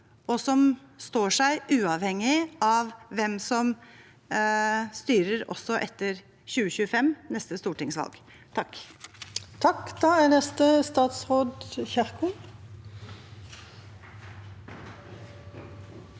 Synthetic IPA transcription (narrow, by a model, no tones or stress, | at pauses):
ɔsɔmst̪oːʂæɪʔʉːɑʋhɛŋːɪɑʋʋɛmsɔm | st̪yːɾəɾɔ̰sːɔʔɛt̪ːəɾ | çʉːəçʉːəfɛmnɛst̪əst̪uːʈɪŋsʋɑ̰lɡ | t̪ʰɑk | t̪ʰɑkd̪̥ɑːænɛst̪əst̪ɑːt̪sʁoːd̪çæʁkʊn